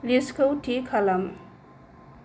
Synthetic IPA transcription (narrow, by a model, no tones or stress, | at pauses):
liskʰowʈʰikʰalam